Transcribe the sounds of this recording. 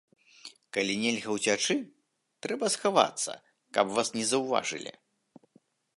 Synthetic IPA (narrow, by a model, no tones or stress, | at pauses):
kalʲinʲɛlʲɣɐwt͡sʲat͡ʂɨ | t̪ɾɛbɐsxava̰t̪sːɐ̰ | kɐpvasnʲɛzɐwva̰ʐɨ̰lʲḭ